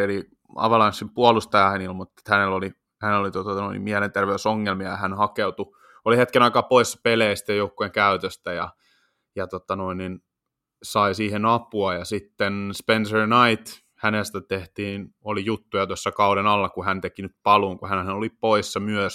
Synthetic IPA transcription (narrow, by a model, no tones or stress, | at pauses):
eli | ɑ̰ʋɑlɑnsimpuolust̪ɑjɑhænilmut̪ːe̥t̪hæneloli | hænelolit̪ot̪ɑno̰inḭmiɛlent̪erʋeysoŋːelmiɑjɑhænhɑkeut̪u | olihet̪kenɑikɑːpoisːɑ̥peleisi̥t̪ːæjoukːueŋkæyt̪øst̪æjɑ̰ | jɑt̪ot̪ɑnoinːin | sɑisiːhenɑpuɑjɑsit̪ːenspensernɑit̪ | hænest̪æt̪eht̪iːnolijut̪ːujɑt̪uosːɑkɑuɾenɑlːɑkuhænt̪ekinyt̪̚pɑluŋkuhænnelolipoisːɑmyøs